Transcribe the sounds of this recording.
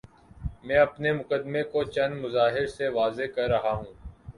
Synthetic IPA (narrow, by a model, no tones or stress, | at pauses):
mɛ̃ːɐpnemʊkəd̪mekot͡ʃɐnmʊzaːɦɪɾseʋaːzekɐɾːɐɦaɦũː